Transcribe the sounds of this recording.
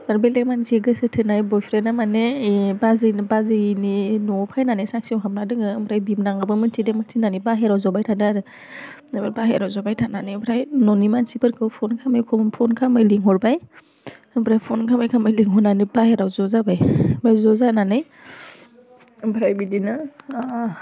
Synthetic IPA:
aɾbelek̚manzeɡɯsɯtʰɯnajbɔjpʰɾenamanebazɯnbazɯninɔpʰajnanɯjsak̚siɔwɦamnadɯŋɯːmbʰɾajbibnaŋɡɯbɯmɯntʰidemak̚tʰinanibaɦeɾawzɔbajtʰadaɾɯ | baɾbaɦeɾawzɔbajtʰananɯjbʰɾajnɔnimansipʰɯɾkʰɯwpʰɔnkʰamajkʰɔmpʰɔnkʰamajliŋɦɔɾbaj | ɯmbʰɾajpʰɔnkʰamajkʰamajliŋɦɔnanɯbaheɾawzɔzabajbajzɔzananɯj | mbʰɾajbidinɯ

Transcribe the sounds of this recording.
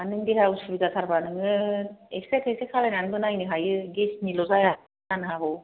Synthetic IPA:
anɯŋdiɦausubizatʰaɾbanɯŋɯesekʰesekʰalajnanbɯnajnɯɦajɯɡesnilɔzaja | anɯɦabɔ

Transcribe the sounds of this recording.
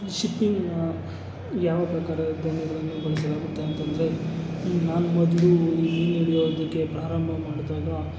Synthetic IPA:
iʃipːiŋɡn | jaːʋɐpɾɐkaːɾɐd̪ɐnɐɡɐɭɐnːubɐɭɐsɐlaːɡut̪ːeɐnt̪ɐnd̪ɐɾe̞ | naːnumɔd̪lumiːneɽijoːd̪ikːe̞pɾaːɾɐmbʱɐmaːɖt̪aːɡa

